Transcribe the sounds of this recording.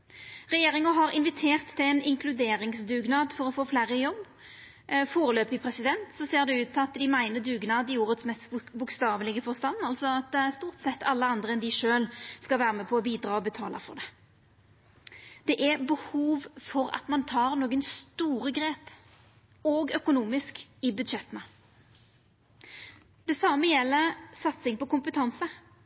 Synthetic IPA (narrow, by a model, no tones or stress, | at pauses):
ʁɛjeːʁɪŋəɦɑʁɪnʋɪt̪ʰeːʁt̪ʰːɪlɛnɪŋkʰlʉd̪eːɾɪŋsd̪ʉːɡnɑːd̪fɔʁɔfoːflæːɾəjɔbː | foːɾəløːpɪpʰʁɛsɪd̪ɛnt̪sɔseːʁd̪ɛʉːt̪ːɑt̪ːd̪ɪmæɪnəd̪ʉːɡnɑːd̪ɪuːʁət̪smɛst̪bʊkst̪ɑːʋəlɪɡəfɔʁst̪ɑnːɑlsɔɑt̪st̪uːʁt̪sɛt̪ːʰɑlːəɑnd̪ʁəɛnd̪ɪʂøːlskɑlʋæːʁəmɛpʰɔɔbiːd̪ɾɑːɔbət̪ʰɑːləfɔ̰ʁd̪ɛ | d̪̥ɛʔæbəhuːʋfɔʁɑ̰t̪mɑnt̪ʰɑːʁnoːɡənst̪uːʁəɡɾeːp | oɡœkʊnuːmɪskɪbʉd̪ʃɛt̪ːənə | d̪̥ɛsɑmːəjɛlːəsɑt̪sɪŋpɔkʊmpət̪ʰɑnsə